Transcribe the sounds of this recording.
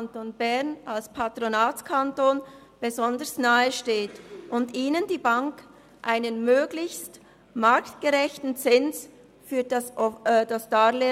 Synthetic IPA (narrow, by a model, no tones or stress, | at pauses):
ntoːnbɛʁnalspʰatʁonaːtt͡skʰantoːn | b̥ezɔndəsnaːəʃteːtʔʊndiːnəndiːbaŋk | ʔaɪnənmøːɡ̥lɪçst | maɾktɡ̥əʁɛçtn̩t͡sɪns | fyːdasd̥asd̥aːle